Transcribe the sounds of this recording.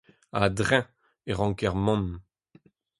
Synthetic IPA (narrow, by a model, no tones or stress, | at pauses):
a̰dʁɛ̃ | eʁɑ̃kɛʁmɔ̃n